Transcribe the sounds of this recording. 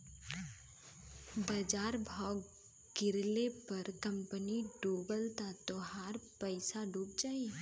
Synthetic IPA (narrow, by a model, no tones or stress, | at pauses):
bɐd͡ʒaːɾbʱaːɡ | ɡɪɾlepɐɾkɐ̃mpəniɖuːbəlt̪at̪oɦaːɾpəɪsaɖuːp̚d͡ʒaːi